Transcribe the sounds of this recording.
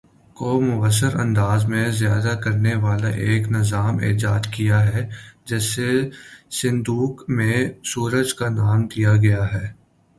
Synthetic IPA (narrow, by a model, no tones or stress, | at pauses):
koːmʊʋəs̬əɾɐ̰̃nd̪aːzmẽzjaːd̪akɐɾneʋaːlaʔeːknɪzaːmḛːd͡ʒaːd͡ʒkijaɦɛd͡ʒɛːsesɪ̃nd̪uːkmẽsuːɾəd͡ʒkanaːmd̪ijaɡɐjaɦɛː